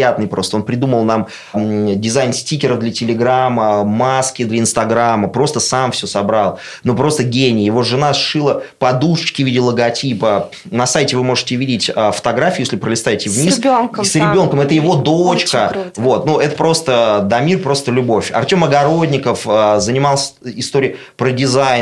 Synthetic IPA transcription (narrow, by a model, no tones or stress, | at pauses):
jat̪nɨjpɾo̞st̪əo̞npɾʲɪd̪uməlˠnam | dʲɪzajnsʲtʲikʲɪɾəvd̪lʲətʲɪlʲɪɡɾamːəmaskʲɪd̪lʲəɪnst̪ɐɡɾamːəpɾo̞st̪əsamfsʲosɐbɾalˠ | nopɾo̞st̪əɡʲenʲɪjjɪvo̞ʐɨnasʂɨlˠəpɐd̪uʂɨt͡ɕkʲɪvʲidʲɪlˠəɡɐtʲipə | nɐsajtʲɪvɨmo̞ʐɨtʲɪvʲidʲɪtʲafə̥t̪ɐɡɾafʲijesʲlʲɪpɾəlʲɪst̪aɪtʲɪvnʲissʲnksɾʲɪbʲo̞nkəmɛt̪əjɪvo̞d̪ot͡ɕkəvo̞t̪nuʔɛt̪ə̥pɾo̞st̪əd̪ɐmʲirpɾo̞st̪əlʲʊbo̞fʲɐ̰rtʲo̞mɐɡɐɾo̞dʲnʲɪkəfəzənʲɪmɑlˠsʲəɪst̪o̞ɾʲɪj | pɾədʲɪzaj